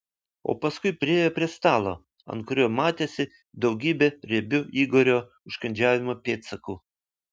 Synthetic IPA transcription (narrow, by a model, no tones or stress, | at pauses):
o̰ːpɐskʊɪpʲɾʲɪeːjoːpʲɾʲiɛst̪ɑːlˠo̰ː | ɐ̰nt̪̚kʊɾʲoːmɑːt̪ʲeːsʲɪ | d̪ɒʊɡʲiːbʲeːɾʲɛbʲʊiːɡoːɾʲoː | ʊʃkɐnʲd͡ʒʲæːʋʲɪmoːpʲeːt̪sɐkuː